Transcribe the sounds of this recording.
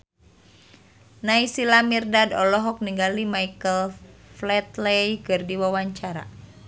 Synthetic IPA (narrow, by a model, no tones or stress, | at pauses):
naisilamirdadɔlɔɦɔk̚niŋɡalimaikəlflɛt̪lɛjkɨrdiwawaɲt͡ʃaɾa̰